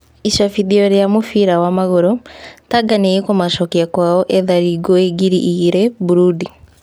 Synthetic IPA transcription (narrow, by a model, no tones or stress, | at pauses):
iʃafiðiɔɾjamofiɾawamaɣoɾotaɡaneikomaʃɔkiakwaɔʔeðaɾiɡɔeɡiɾiʔiɾebuɾudi